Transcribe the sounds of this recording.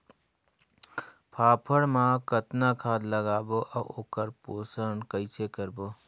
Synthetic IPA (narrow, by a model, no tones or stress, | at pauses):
pʰaːpʰəɽmãkət̪nakʰaːd̪ləɡaːboʔəoːkəɾpoːsəɳkəɪsʰekəɾboː